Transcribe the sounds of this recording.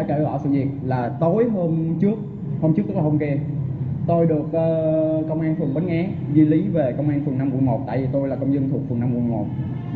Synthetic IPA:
aː˧˦jke˧˩ɣwa̰ː˧˩wsɨ̰˧˨zḭ˨˩ət̚laː˨˩t̪o˨˦jɦo˧nt͡ɕɨ˦˥ək̚ | ho˧mt͡ɕɨ˦˥k̪̚ɨ˦˥k̚aː˨˩ho˧ŋ͡mke˧ | t̪o˧jɗɨ˨˩ək̚ʔəː˧kə˧wŋ͡mʔaː˧nfɨ˨˩əŋɓə˨˦nʔɛ˨˦ | zi˧li˨˦ve˨˩kə˧wŋ͡mʔaː˧nfɨ˨˩ŋna˧mku˧˩əjmo˨˩t̚t̪a̰ː˧˨jvi˨˩t̪o˧jlaː˨˩kə˧wŋ͡mzə˧nt̪ʰu˨˩ək̚fɨ˨˩na˧mku˧˩jmo˨˩t̚

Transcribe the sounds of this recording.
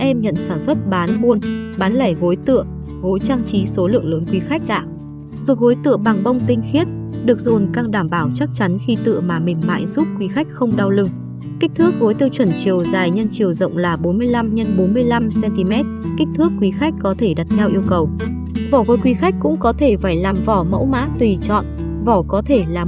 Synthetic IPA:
ʔɛ˧mɲə̰˧˨nsaː˧˩swə˦˥t̚ɓaː˨˦nmu˧ənɓaː˨˦nlaː˧˩jɣo˨˦jt̪ɨ̰˧˨ə | ɣo˨˦jt͡ɕaː˧ŋt͡ɕi˨˦so˨˦lɨ̰˧˨əŋləː˨˦nkwi˨˦xa˦˥jk̟̚ɗa̰ː˧˨ | zo˨˩t̚ho˨˦jt̪ɨ̰˧əɓa˨˩ŋɓə˧wŋ͡mt̪ï˧ŋ̟xi˦˥ət̚ɗɨ˨˩ək̚zo˨˩nkaː˧ŋɗaː˧˩mɓaː˧˩wt͡ɕa˦˥k̚t͡ɕa˨˦nxi˧t̪ɨ̰˧˨əmaː˨˩mï˨˩ŋ̟ma̰ː˧˨jzu˦˥p̚kwi˨˦xa˦˥jk̟̚xə˧wŋ͡mɗa˧wlɨ˧ŋ | ki˦˥k̚t̪ʰɨ˦˥ək̚ho˨˦jt̪i˧wt͡ɕwə˧˩nt͡ɕi˨˩əwzaː˨˩jɲə˧nt͡ɕi˨˩əwzə̰˧˨wŋ͡mlaː˨˩ɓo˨˦nmɨ˧əjla˧mɲə˧nɓo˨˦nmɨ˧əjla˧msɛ˧nt̪i˧mɛ˦˥t̚ki˦˥k̚t̪ʰɨ˦˥əkːwi˨˦xa˦˥jk̟̚kɔ˨˦t̪ʰe˧˩ɗa˨˩t̚t̪ʰɛ˧wʔi˧əwkə˨˩w | vɔː˧˩və˨˦jkwi˨˦xa˦˥k̚kʊ̰˧˥ŋ͡mkɔ˨˦t̪ʰe˧˩faː˧˩jlaː˨˩mvɔ˧˩mə̰˧˥wma̰ː˧˥t̪wi˨˩t͡ɕɔ̰˧˨n | vɔ˧˩kɔ˨˦t̪ʰe˧˩laː˨˩

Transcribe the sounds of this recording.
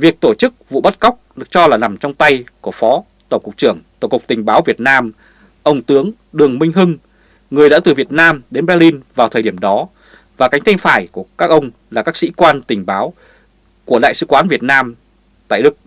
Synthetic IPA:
vi˨˩ək̚t̪o˧˩t͡ɕɨ˦˥k̚vṵ˧˨ɓə˦˥t̚ka˦˥wk͡p̚ɗɨ˨˩ək̚t͡ɕɔ˧laː˨˩na˨˩mt͡ɕɔ˧wŋ͡mt̪a˧jku˧˩əfɔ˨˦ | t̪ə˧˩ŋ͡mkʊ˨˩k͡p̚t͡ɕɨ˧˩əŋt̪o˧˩kʊ˨˩k͡p̚t̪ï˨˩ŋ̟ɓaː˨˦wvi˨˩ət̚naː˧m | ʔə˧wŋ͡mt̪ɨ˨˦əŋ | ɗɨ˨˩əŋmï˧ŋ̟ɦɨ˧ŋ | ŋɨ˨˩əjɗa̰˧˥t̪ɨ˨˩vi˨˩ət̚naː˧mɗe˨˦nɓɛ˧li˧nvaː˨˩wt̪ʰəː˨˩ɗi˧˩əmɗɔ˨˦ | vaː˨˩ka˨˦ŋ̟t̪ʰa˧ŋ̟faː˧˩jku˧˩əkaː˦˥k̚ʔə˧wŋ͡m | laː˨˩kaː˦˥ksḭ˧˥kwaː˧nt̪ï˨˩ŋ̟ɓaː˨˦w | ku˧˩əɗa̰ː˧˨jsɨ̰˧˥kwaː˨˦nvi˨˩ət̚naː˧m | t̪a̰ː˧˨jɗɨ˦˥k̚

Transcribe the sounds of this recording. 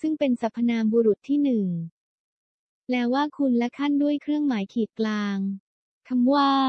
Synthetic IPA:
sɯ˥˩ŋpe˧nsa˨˩pʰːa˧naː˧mbuː˧ɾu˨˩t̪ʰːiː˥˩nɯ˨˩ŋ | lɛː˦˥waː˥˩kʰu˧nlɛ˦˥kʰa˥˩ndu˥˩əjkʰɾɯ˥˩əŋmaː˩˦jkʰiː˨˩t̪̚klaː˧ŋ | kʰa˧mwaː˥˩

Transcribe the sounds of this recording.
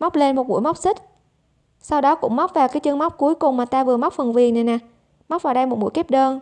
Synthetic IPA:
ma˦˥k͡p̚le˧nmo˨˩t̚ɓṵ˧˥˦jma˦˥wk͡p̚sï˦˥k̟̚ | sa˧wɗɔ˨˦kʊ̰˧˥ŋ͡mma˦˥k͡p̚vaː˨˩wkaː˨˦jt͡ɕɨ˧ŋma˦˥wk͡p̚ku˨˦əjkʊ˨˩ŋ͡mmaː˨˩t̪aː˧vɨ˨˩əma˦˥wk͡p̚fə˨˩nvi˨˩əŋna˨˩jna˨˩ | ma˦˥k͡p̚vaː˨˩wɗə˧jmo˨˩t̚ɓṵ˧˥jke˦˥p̚ɗəː˧n

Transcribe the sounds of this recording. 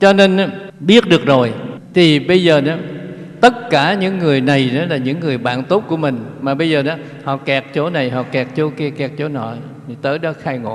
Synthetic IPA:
t͡ɕɔ˧ne˧na˨˦ | ɓi˦˥ət̚ɗɨ˨˩ək̚zo˨˩jt̪ʰi˨˩ɓə˧jzəː˨˩nɔ˨˦t̪ə˦˥t̚kaː˧˩ɲɨ̰˧˥ŋːɨ˨˩əjna˨˩jnɔ˨˦laː˨˩ɲɨ̰˧˥ŋːɨ˨˩əjɓa̰ː˧˨nt̪o˦˥t̚ku˧˩əmï˨˩ŋ̟maː˨˩ɓə˧jzəː˨˩nɔ˨˦ | hɔ̰˧˨kɛː˨˩k̚t͡ɕo˨˦na˨˩jɦɔ̰˧˨kɛ˨˩k̚t͡ɕo˨˦kɛ˧kɛ˨˩k̚t͡ɕo˨˦nɔ̰˧˨ | i˨˩t̪əː˨˦jɗɔ˨˦xaː˧jŋo̰˧˨

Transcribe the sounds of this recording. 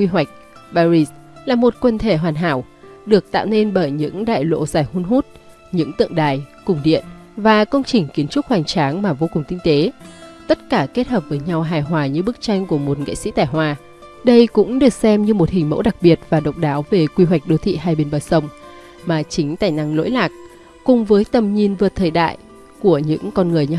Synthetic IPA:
kwi˧wa˨˩jk̟̚ | ɓaː˧ɾi˧˥s | laː˨˩mo˨˩t̚kwə˧˩nt̪ʰe˧˩ɦwaː˨˩nɦa̰ː˧˩˨w | ɗɨ˨˩ək̚t̪a̰ː˧˨wne˧nɓəː˧˩jɲɨ̰˧˥ŋɗa̰ː˧˨jlo̰˧˨zaː˨˩jhu˧nɦu˦˥t̚ | ɲɨ̰˧˥ŋt̪ɨ̰˧əŋɗaː˨˩jkʊ˨˩ŋ͡mɗḭ˧˨ən | vaː˨˩kə˧wŋ͡mt͡ɕï˨˩ŋ̟ki˨˦ənt͡ɕʊ˦˥k̚ha˨˩jŋ̟t͡ɕaː˨˦ŋmaː˨˩vo˧kʊ˨˩ŋ͡mk̪ï˧ŋ̟t̪e˨˦t̪ə˦˥t̚kaː˧˩ke˦˥t̚həː˨˩p̚vəː˨˦jɲa˧wɦaː˨˩jɦwaː˨˩ɲɨ˧ɓɨ˦˥k̚t͡ɕa˧jŋ̟ku˧˩əmo˨˩t̚ŋə̰˧˨jsḭ˧˥t̪aː˧˩jɦwaː˧˩ | ɗə˧jkʊ̰˧˥ŋ͡mɗɨ˨˩ək̚sɛ˧mɲɨ˧mo˨˩t̚hï˨˩ŋ̟mo̰˧˥wɗa˨˩k̚ɓi˨˩ət̚vaː˨˩ɗə̰˨wŋ͡m̚ɗaː˨˦wve˨˩kwi˧wa˨˩k̟̚ɗo˨˧˦t̪ʰḭ˧˨ɦaː˧jɓe˧nɓəː˨˩jsə˧wŋ͡m | maː˨˩t͡ɕï˨˦ŋ̟t̪a̰ː˧˩jna˧˥ŋlo̰˧˥jlaː˨˩k̚ | kʊ˨˩ŋ͡mvəː˨˦jt̪ə˨˩mɲi˨˩nvɨ˨˩t̚t̪ʰəː˨˩jɗa̰ː˧˨j | ku˧˩əɲɨ̰˧˥ŋkɔ˧nŋɨ˨˩əjɲ˧

